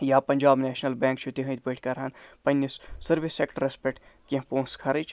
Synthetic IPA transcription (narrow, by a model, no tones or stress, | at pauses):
jaːpɐnd͡ʒaːbnɛːʃnɐlbɛ̃ːŋkt͡ʃʰut̪iɦɐ̃t̪̚bəːʈʰkɐɾɦɐnpɐnːisːɐɾʋisːekʈɾespeʈkẽpõːskʰɐɾit͡ʃ